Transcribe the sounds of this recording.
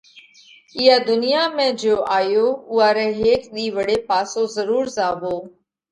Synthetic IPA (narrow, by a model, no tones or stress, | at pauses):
ɪjaːd̪ʊnɪjaːmẽːd͡ʒoːʔaːjoːʊaːɾɛːɦeːkɗ̪iːʋəɽeːpaːsoːzəɾuːɾzaːʋoː